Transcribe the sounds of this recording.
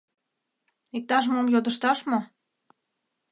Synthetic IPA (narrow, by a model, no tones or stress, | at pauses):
ik̚t̪ɑʃ̬momjod̪əʃt̪ɑʃmo